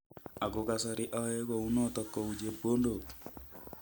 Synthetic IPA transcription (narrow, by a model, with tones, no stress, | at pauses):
a˨ɡo˦ka˨sɔ˦ɾɪ˦ʔɔ˦ɛ˦kɔ˨u˦nɔ˦tɔ˦kːɔ˨u˨d͡ʒe˦bo˦ndo˨k